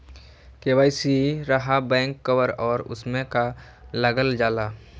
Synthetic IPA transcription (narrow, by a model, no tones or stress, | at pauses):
keʋaːisiɾəɦabɛ̃ːŋkːəʋəɾɔːɾʊ̰smẽka | ləɡəld͡ʒaːla